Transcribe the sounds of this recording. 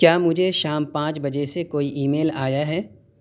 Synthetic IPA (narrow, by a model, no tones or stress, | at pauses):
kjaːmʊd͡ʒʱeʃaːmpãːt͡ʃbɐd͡ʒesekoːiʔiːmeːlaːjaɦɛː